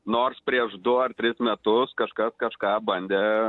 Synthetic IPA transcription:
noːrspʲɾʲiɛʃd̪ʊɐrt̪ʲɾʲɪsmʲɛt̪ʊskɐʃkɐskɐʃkɑːbɐnʲd̪ʲe

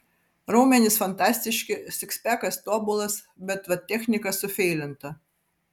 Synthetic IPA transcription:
ɾɐʊmʲɛnʲɪsfɐnt̪ɑːsʲt̪ʲɪʃʲkʲɪsʲɪksʲpʲækɐst̪oːbʊlˠɐs | bʲɛt̪ʋɐt̪ʲɛxʲnʲɪkɐsʊfʲɛɪlʲɪnt̪ɐ

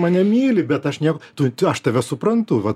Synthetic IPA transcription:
mɐnʲɛmʲiːlʲɪbʲɛt̪ɐʃnʲiɛkot̪ʊɐʃt̪ɐʋʲɛsʊpɾɐnt̪ʊʋɐt

